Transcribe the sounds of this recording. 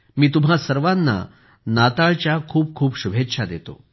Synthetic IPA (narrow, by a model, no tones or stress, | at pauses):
miːt̪um̤asəɾʋãnːa̰ | nat̪aɭt͡ɕjakʰuːp̚kʰuːpɕubʱet̪ːɕʰad̪et̪o̰